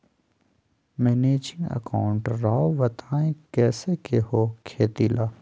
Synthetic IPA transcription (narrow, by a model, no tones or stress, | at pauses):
mɛːneːd͡ʒɪ̃ŋɡɐ̰kaːʊɳʈɾaːoʋɐt̪ʰaːẽkɛːsekehoːkʰeːt̪ilaː